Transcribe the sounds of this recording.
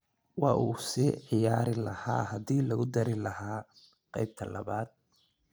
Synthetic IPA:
wɑːʔuːsiːʕɪjaːɾɪlɐha̰ːɦɐðiːlɐɣʊd̪ɐɾɪlɐhaː | qɑjb̚t̪ʰɐlɐ̰βaːd̪̚

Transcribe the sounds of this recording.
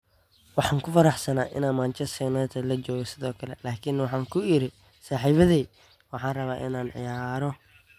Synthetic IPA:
wɑħɑːŋkʰʊfɐɾɑħsɐnaːʔɪ̰naːnmaːnt͡ʃɛstɛnɐt̪ʰɐlɐt͡ʃɔːɣɔsɪðɔːkʰɐlɛlaːkʰɪnwɑħɑːŋkʰʊɪɾɪ | saːħiːβɐðiː | wɑħɑ̃ːnrɐβaːʔɪ̰naːnʕɪ̰jaːɾɔ

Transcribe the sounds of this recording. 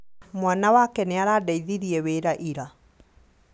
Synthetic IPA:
mwanawakɛneaɾaːdaiðiɾiɛweɾaʔiɾa

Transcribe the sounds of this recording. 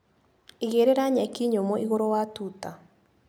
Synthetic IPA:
iɣeɾeɾaɲɛkiɲomɔʔiɣoɾowatuta

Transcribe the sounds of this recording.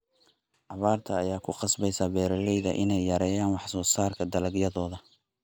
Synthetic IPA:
ʕɑβaːrt̪ʰɐːjaːkʰʊqɑsbɛjsaːbɛːɾɐlɛjðɐʔɪnɛjːɐɾɛːjaːnwɑħsɔːsaːrkʰɐd̪ɐlɐɡjɐðɔːðɐ

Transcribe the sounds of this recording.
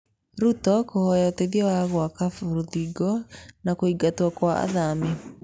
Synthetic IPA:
ɾutɔkohɔjɔteðiɔwaɣwakafuɾðiɡɔnakoiɡatwɔkwaa̰ðame

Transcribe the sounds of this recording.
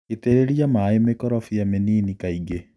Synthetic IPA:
eteɾeɾiamaːemekɔɾɔfijameniːnikaiɡe

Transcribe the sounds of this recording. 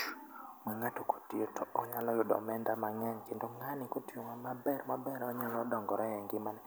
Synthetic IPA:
mɛŋatoko̥tiotɔɔɲalɔjɔdɔ̰mɛndamaŋɛɲkɪndoŋanɪkotioŋamabɛrmabɛɾɔɲalɔdɔŋɡɔɾɔɛŋɡɪmanɛ

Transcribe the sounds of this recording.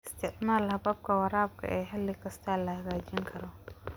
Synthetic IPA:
ɪst̪ʰɪʔmaːlhɐbɐb̚kʰɐwɐɾaːb̚kʰɐ̰ʔɛːɦɐlːɪkɐst̪ʰaːlɐhɐɣaːd͡ʒɪŋkʰɐɾɔ

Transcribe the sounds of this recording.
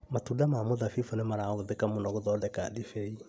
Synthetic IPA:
matudamamoðafifɔnɛmaɾaɔðekamonɔɡɔðɔdɛka̰difɛi

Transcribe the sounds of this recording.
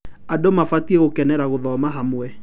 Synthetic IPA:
adomafatieɣokɛnɛɾaɣoðɔmaɦamwɛ

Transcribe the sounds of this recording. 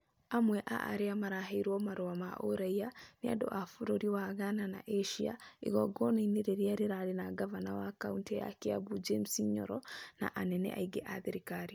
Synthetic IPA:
amwɛʔa̰ʔa̰ɾeamaɾaɦeiɾwɔmaɾoamaʔo̰ɾaianea̰do̰ʔafuɾoɾiwaɣanana̰ʔeʃia̰ḭɣɔɡɔnaineɾeɾiaɾeɾaɾenaɡavanawakaunteja̰keabud͡ʒemsiɲɔ̰ɾɔna̰ʔanɛnɛ̰ʔa̰iɡɛʔaðeɾikaɾi

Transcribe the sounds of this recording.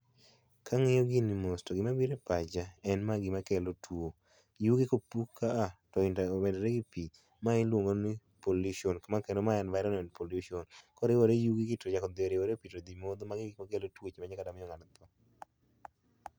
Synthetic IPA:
kʰaŋejoɡɪnimostɔɡɪmabiɾepad͡ʒaɛnmaɡɪmakɛlotwo | juɡikopukʰːaːtɔɪndamɛdɔɾeɡipi | maɪlwoŋonipoluʃionkamakɛndomaɛnvaɾɔnɛnpoluʃiɔnkɔɾɪwoɾejuɡiɡɪtod͡ʒakɔd̪ɪoɾɪwoɾepitod̪imod̪omaɡɪɡɪmakelotwot͡ʃemaɲakadamɪjɔŋanat̪ɔ

